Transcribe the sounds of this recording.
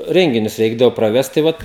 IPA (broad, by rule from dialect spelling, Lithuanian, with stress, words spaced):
ˈrʲɛŋʲɡʲɪnʲʊs ˈrʲɛɪɡdɐʋoː prɐˈʋʲɛst tɐɪ ˈʋɐt